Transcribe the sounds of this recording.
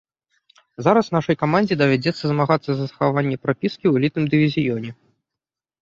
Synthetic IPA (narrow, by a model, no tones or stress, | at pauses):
zaɾɐsnaʂɐjkamanʲd͡zʲid̪ɐvʲad͡zʲɛt̪sːɐzmaɣat̪sːɐzɐsɐxavanʲːɛpɾapʲiskʲiwlʲit̪nɨmd̪ɨvʲizʲijɔnʲɛ